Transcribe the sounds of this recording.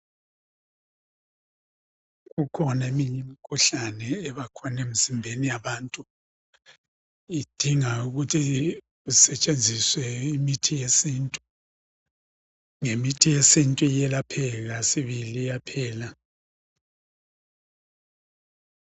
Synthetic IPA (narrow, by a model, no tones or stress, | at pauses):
ɣukʰɔnemiɲɛmikʰuɬanɛːβakʰɔnemizimbʱenijaβaːntʼu | id̥ʱiŋauɣutʰi | usɛt͡ʃʼend͡zʱiswɛimitʰijesintʼu | ŋemitʰijesintʼujɛlapʰɛlasiβilijapʰɛːla